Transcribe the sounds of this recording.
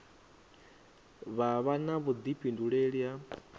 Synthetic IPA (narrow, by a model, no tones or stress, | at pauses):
βaβanaβud̪ipʰʼinduɺɛɺja